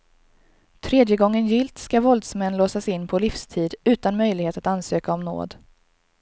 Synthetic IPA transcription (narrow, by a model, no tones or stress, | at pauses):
t̪ʰɾeːd̪jəɡɔŋːənjɪlt̪skavɔld̪smɛnːloːsasɪnːpʰɔlɪfst̪ʰiːd̪ʉ̟ːt̪anmœjlɪɡheːt̪at̪ansøːkaɔmno̰ːd̪